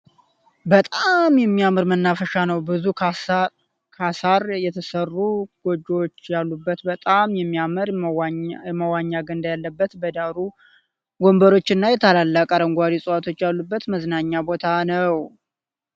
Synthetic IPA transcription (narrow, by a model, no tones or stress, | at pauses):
bət̪ʼamjɛmːijamɨɾmənːafəʃanəwbɨzu | kʰasaɾjɛt̪ʰəsərːuɡ̥o̞d͡ʒːo̞t͡ʃːjalːubːət̪bət̪ʼamjɛmːijamɨɾ | jɛməwaɲːaɡənd̪ajalːəbːət̪bəd̪aɾu | ɡombəɾo̞t͡ʃːɨnːajɛt̪ʰalalːakʼəɾəŋɡʷad̪isʼəwat̪ʰo̞t͡ʃːjalːubːət̪məznaɲːabo̞t̪ʰanəw